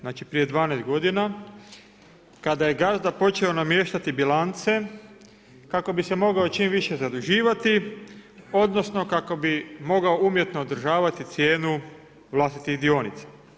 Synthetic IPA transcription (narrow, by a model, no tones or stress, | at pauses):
naːt͡ʃipɾije̞d̪ʋaːnast̪ɡo̞d̪ina | kad̪aje̞ɡazd̪apo̞t͡ʃeonamje̞ːʃt̪at̪ibilant̪se̞ | kako̞bise̞mo̞ɡao̞t͡ʃimʋiʃe̞zad̪uʒiːʋat̪i | o̞d̪no̞sno̞kako̞bimo̞ɡaoumje̞t̪no̞od̪ɾ̩ʒaːʋat̪it̪sje̞ːnu | ʋlˠast̪it̪ixd̪io̞nit̪sḁ